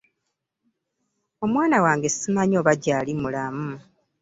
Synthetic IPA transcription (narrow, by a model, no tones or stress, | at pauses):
o̞mwaːnawaːŋɡe̞simaɲo̞ːβaɟaːlimulamu